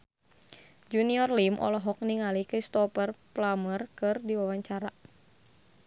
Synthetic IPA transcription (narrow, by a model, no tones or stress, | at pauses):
d͡ʒuniɔrlimʔɔ̰lɔɦɔk̚niŋalikist̪ɔpərplamərkɨrdiwawaɲt͡ʃaɾa